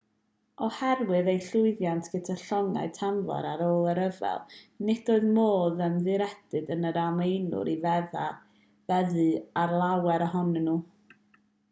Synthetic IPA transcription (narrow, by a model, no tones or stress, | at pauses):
ɔhɛrwɨðejɬʊɨðjantʰɡ̥ətʰaɬɔŋa̰ɨtʰamvɔ̰ɾaɾoːlˠəɾəvɛ̰lˠnɪd̥oːɨðmoːðəmðɨɾɛd̥ɨdənəɾamejnʊ̰ɾivɛða | vɛðɨarlˠawɛɾɔɦɔnnuː